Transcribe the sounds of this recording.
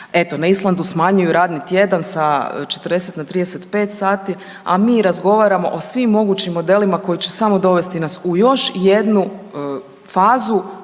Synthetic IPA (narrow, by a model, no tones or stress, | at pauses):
e̞t̪o̞naislˠand̪usmaɲujuɾaːd̪nit̪je̞d̪ansat͡ʃe̞t̪ərd̪eset̪nat̪ɾiːd̪e̞set̪pe̞ːt̪saːt̪i | a̰miːɾazɡo̞ʋaːɾamo̞̰ʔosʋimːo̞ɡuːt͡ɕimːo̞d̪e̞limako̞jit͡ɕe̞̥samo̞d̪o̞ʋe̞st̪inasujo̞ʃje̞d̪nu | faːzu